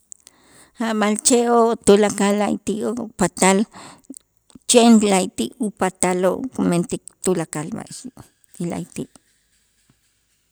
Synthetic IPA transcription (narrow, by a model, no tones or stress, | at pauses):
abalt͡ʃeot̪ulakalːajt̪iopat̪al | t͡ʃenlajt̪iʔupat̪alokument̪ik̚t̪ulakalba̰ʃi | ila̰jt̪iʔ